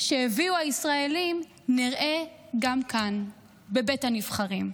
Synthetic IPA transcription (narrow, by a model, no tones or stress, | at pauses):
ʃeheviuhaisʁaelim | niʁʔe̞ɡamkan | be̞bethanivχaʁim